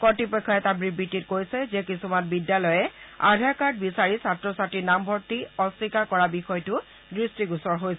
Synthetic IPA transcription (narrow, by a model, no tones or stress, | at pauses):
kɔtipɔkʰːɔɛtabɹibːititkojsɛzɛkisumanbidjalɔjɛa̰dʱaɹkaɹt̚bisaɹisatɹɔsatinambʱɔɹtiɔsikakɔɹabixɔjtʊ | dɹistiɡusɔɹɦojsɛ